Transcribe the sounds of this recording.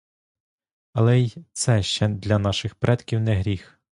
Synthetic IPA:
ɐlˠɛjt̪sɛʃt͡ʃɛd̪lʲɐnɑʃɪxpɾʔɛt̪kʲiwnɛɦɾʲix

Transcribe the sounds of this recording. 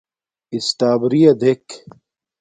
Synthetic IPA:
ist̪aːbɾijɐd̪ek

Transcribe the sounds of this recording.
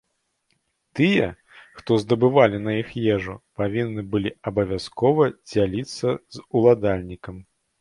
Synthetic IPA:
t̪ɨjɛ | xt̪ɔzd̪ɐbɨvalʲinɐjixjɛʐupavʲinːɨbɨlʲiɐbɐvʲaskɔvɐd͡zʲalʲit̪sːɐzulˠad̪alʲnʲikɐm

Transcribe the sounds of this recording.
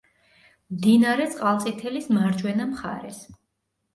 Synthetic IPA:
md̪inaɾɛt̪sʼqʼalˠt̪sʼit̪ʰɛlismaɾd͡ʒwɛnamχa̰ɾɛs

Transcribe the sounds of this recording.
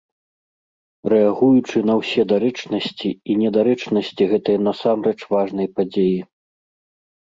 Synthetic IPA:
rɛaɣujut͡ʂɨn̪ɐwsʲɛd̪aɾɛt͡ʂnɐsʲt͡sʲiinʲɛd̪aɾɛt͡ʂnɐsʲt͡sʲiɣɛt̪ɐjɐnɐsamɾɛt͡ʂvaʐnɐjpad͡zʲeji

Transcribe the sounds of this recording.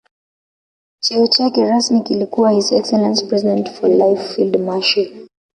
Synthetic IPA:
t͡ʃiɔt͡ʃakɛɹasmikilikuwahizɛksɛlãnspɹɛzidɛ̃ntfɔlaɪfildmaʃi

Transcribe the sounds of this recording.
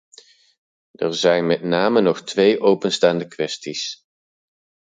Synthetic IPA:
əɹzɛjnmɛtnaːmənɔχtʋejʔowpənstaːndəkʋɛstis

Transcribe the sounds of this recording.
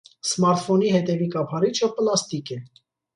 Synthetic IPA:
smɑɾt̪fɔnihɛt̪ɛvikɑpʰɑɾit͡ʃʰəplɑst̪ikɛ

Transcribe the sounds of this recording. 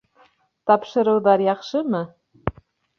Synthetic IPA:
t̪ɑpʃɤ̆ɾɤ̆wðɑɾjɑqʃɤmɤ

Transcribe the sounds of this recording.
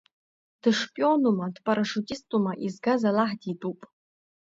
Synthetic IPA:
d̥ɨʂpʼionumɐd̥pʼɐɾɐʂutʲʼistʼumɐʔizɡazalaħditʼupʼ

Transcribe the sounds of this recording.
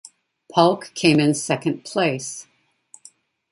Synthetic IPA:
pʰʌlˠkʰẽɪ̃mɨ̃nsɛkɨ̃npʰl̥eɪs

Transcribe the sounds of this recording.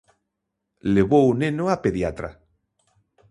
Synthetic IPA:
leβownenoapeðjat̪ɾa̰

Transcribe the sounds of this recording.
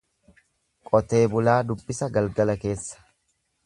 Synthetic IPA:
kʼɔt̪e̞ːbʊlaːd̪ʊbːɪsɐɡɐlɡɐlɐke̞ːsːɐ̥

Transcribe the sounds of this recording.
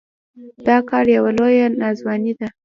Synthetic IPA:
d̪̥ɑkɑɾjawalojanɑzwɑnid̪a

